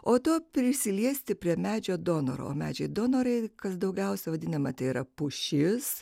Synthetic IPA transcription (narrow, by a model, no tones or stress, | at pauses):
oːt̪oːpʲɾʲɪsʲɪlʲiɛsʲt̪ʲɪpʲɾʲiɛmʲæːd͡ʒʲoːd̪oːno̰ɾo̰o̰ːmʲæːd͡ʒʲɛɪd̪oːnoːɾɐɪkɐsd̪ɐʊɡʲɛʊsʲɛʋɐd̪ʲɪnɐmɐt̪ɐɪiɾɐpʊʃʲɪs